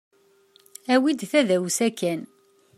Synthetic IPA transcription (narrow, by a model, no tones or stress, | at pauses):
æwid̪θæðæwsækːæn